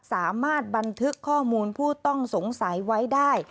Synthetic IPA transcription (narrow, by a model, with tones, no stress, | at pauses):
saː˩˦maː˥˩t̪̚ba˧nt̪ʰɯ˦˥kʰːɔː˥˩muː˧npʰuː˥˩t̪ɔ˥˩ŋso˨˩˦ŋsa˩˦jwa˦˥jdaː˥˩j